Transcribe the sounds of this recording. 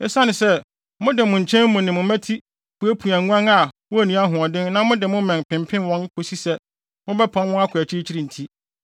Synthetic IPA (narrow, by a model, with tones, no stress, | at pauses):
ɛ˦sa˦nɪ̃˨sɛ˦ | mʊ̃˦dɪ˨mʊ̃˨ɲ̩˨t͡ɕʰɛ̃˦mː˦ʊ̃˨nɪ̃˨mʊ̃˨mæ̃˦tʰi˦ | pu˨˦æ˦pʰu˨æ̃˨˦ã˦na˨wʊ˦æ˨nĩ˨˦a˦ɦʊ̃˨ɔ˨dɪ̃˦nnã˦mʊ̃˦dɪ˨mʊ̃˦mɛ̃˨pʰɪ̃˨m˨pʰɪ̃˦nwɔ̃˦nkʰo˨si˦sɛ˦ | mʊ̃˦bɛ˦pʰã˨nwʊ̃˦a˦kʰʊ˨æ˨t͡ɕʰɪ˦ɾi˦t͡ɕʰi˦ɾi˨n̩˨tʰi˦